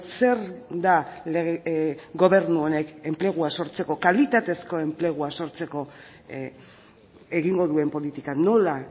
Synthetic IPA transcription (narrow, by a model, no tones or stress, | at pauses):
se̞ɾd̪alɣɡo̞βe̞ɾnuo̞ne̞ke̞mple̞ɣ̞uaso̞ɾt͡se̞ko̞kalit̪at̪e̞sko̞e̞mple̞ɣ̞uaso̞ɾt͡se̞ko̞ | e̞ɣiŋɡo̞ðue̞mpo̞lit̪ikano̞la